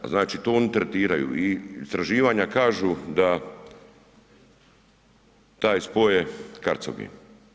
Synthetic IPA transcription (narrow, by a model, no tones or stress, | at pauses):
aznaːt͡ʃit̪oːonit̪ɾet̪iːɾajṵiist̪ɾaʒiːʋaːɲakaːʒud̪a | t̪aːjspojekaɾt̪so̰ɡḭ